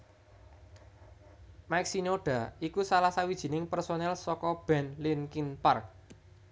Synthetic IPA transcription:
maɪk̚sinoɖ̥a̤ikusalasawid̥ʒ̥i̤nɪŋpɛrsonɛlsɔkɔb̥ɛ̤nlɪnkinpark̚

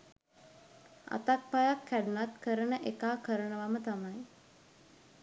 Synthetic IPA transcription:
a̰t̪ak̚pajakʰːæɖunat̪kəɾənəʔekaːkəɾənəʋamət̪amaj

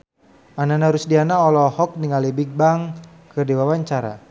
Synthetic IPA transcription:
ananaɾʊsdianaɔlɔhɔk̚niŋalibik̚baŋ | kərdiwawaɲt͡ʃaɾa̰

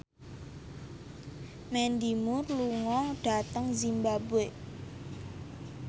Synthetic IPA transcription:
mɛnd̪imʊrluŋɔɖ̥a̤t̪əŋzimbabe

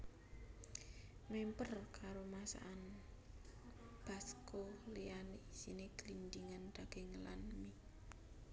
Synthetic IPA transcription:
mempərkʰaɾomasa̰ʔan | b̥a̤skolianiisineɡəlind̪iŋand̪̥aɡ̥e̤ŋəla̰nmi

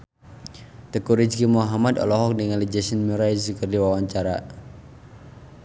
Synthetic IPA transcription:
t̪əkuɾid͡ʒɡimuɦamadɔ̰lɔɦɔk̚dəŋalid͡ʒasənmuɾajzukərdiwawaɲt͡ʃaɾa̰

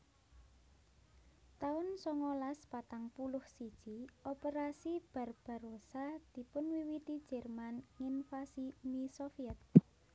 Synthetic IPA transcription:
t̪aʊnsɔŋolaspat̪aŋpulʊhsid̥ʒ̥iopeɾasib̥a̤rb̥a̤rosad̪̥ipʊnwiwit̪id̥d͡ʒ̥ɛ̤rmanŋinfasimisofiɛt̪̚

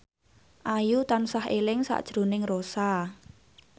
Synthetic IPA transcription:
ʔajut̪ansahelɪŋsa̰ʔd̥ʒ̥ɾo̤nɪŋrosa

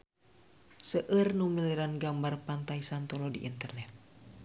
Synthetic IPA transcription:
səʔərnumiliɾanɡambarpant̪aisant̪ɔlɔdiʔint̪ərnɛt̪̚

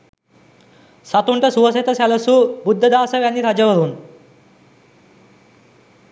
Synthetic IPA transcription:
sat̪uɳʈəsuʋəset̪əsaləsuːbud̪ʱːəd̪aːsəʋjanːiɾad͡ʑəʋəɾuːn

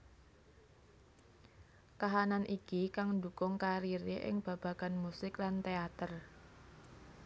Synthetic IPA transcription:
kaɦananʔikikaŋnd̪ukʊŋkaɾiɾeʔɪ̰ŋb̥a̤b̥a̤kanmusɪklant̪eat̪ər

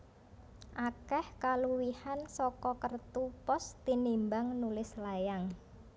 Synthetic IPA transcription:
ʔakɛhkaluwihansɔkɔkərt̪upɔst̪inimbaŋnulɪslajaŋ

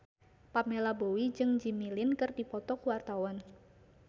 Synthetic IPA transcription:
pamelabowid͡ʒɨŋd͡ʒimilɪnkɨrdipɔt̪ɔkuwart̪awɔn

